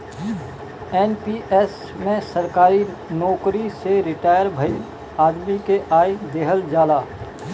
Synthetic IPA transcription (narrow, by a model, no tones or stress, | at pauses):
ɛːnpiʔeːs | mẽsɐɾkaːɾi | nɔːkɾiseɾɪʈaːjəɾbʱəi | aːd̪mikeʔaːid̪eːɦəld͡ʒaːlaː